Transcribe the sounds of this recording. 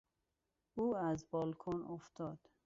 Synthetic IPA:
uːæzbɒːlkʰonoft̪ʰɒːd̪̥

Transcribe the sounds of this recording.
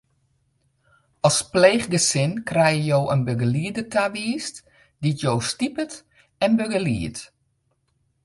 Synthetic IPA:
ɔspleːχɡəsɪnkrɛjəjowʔənbøɡəliədətʰaʋiːst | ditjoːstipət | ɛnbøɡəlḭət

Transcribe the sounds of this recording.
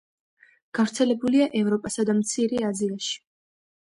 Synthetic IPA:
ɡ̥avɾt̪sʰɛlɛbuliaʔɛvɾɔpʼasad̪amt̪sʰiɾiaziaʃi̥

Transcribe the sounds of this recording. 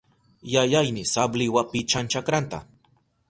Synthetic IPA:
jajajnɪsablɪwapɪt͡ʃant͡ʃakɾant̪a̰

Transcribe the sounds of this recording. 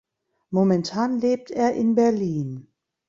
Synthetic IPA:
momɛntʰaːnleːp̚tʰeːɐʔɪnbɛɐliːn

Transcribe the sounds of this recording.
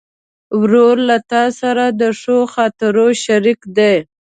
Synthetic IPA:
wɾoɾlat̪ɑsaɾad̪əʂoxɑt̪aɾoʃaɾikd̪e

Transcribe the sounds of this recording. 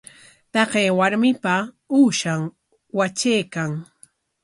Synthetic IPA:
t̪ɑqeːwaɾmɪpa | uːʃam | wat͡ʃejkaŋ

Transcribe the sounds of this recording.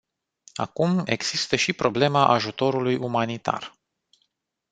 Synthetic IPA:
a̰kume̞ɡz̥ist̪əʃipɾo̞ble̞maʔaʒut̪o̞ɾulujumanit̪a̰r

